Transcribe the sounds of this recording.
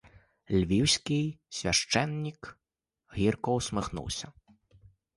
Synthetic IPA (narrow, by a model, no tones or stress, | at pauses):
lʲvʲiwsʲkʲijsʲvʲaʂt͡ʂɛnːʲik | ɣʲirkɔwsmɨxnṵwsʲɐ